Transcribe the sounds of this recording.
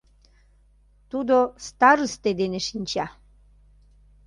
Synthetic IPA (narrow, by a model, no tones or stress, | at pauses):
t̪ud̪ost̪aɾɨst̪ed̪eneʃinʲt͡ɕa